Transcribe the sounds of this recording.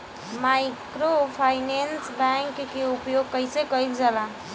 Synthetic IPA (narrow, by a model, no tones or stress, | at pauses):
majkɾopʰajnensbɛŋkːeupjoɡ̚kəjsekəild͡ʒala